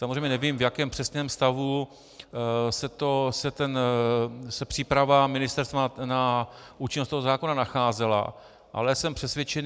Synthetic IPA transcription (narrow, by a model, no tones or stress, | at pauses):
samozrejmɲɛnɛviːmvjakɛːmpr̥ɛsɲɛːmst̪avu | sɛt̪osɛt̪ɛn | sɛpr̥iːpɾavamɪnɪst̪ɛɾst̪vana | ʔuːt͡ʃɪnost̪oɦozaːkonanaxaːzɛla̰ | ʔa̰lɛsɛmpr̝̥ɛsvʲjɛt͡ʃɛn